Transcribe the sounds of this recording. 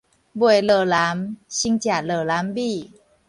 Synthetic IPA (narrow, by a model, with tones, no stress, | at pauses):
bu˧˩ə˨ləː˨˩la˨˦mɕi˧˥ŋt͡ɕja˨˩lɤː˨˩la˨˦˥mbi˧˩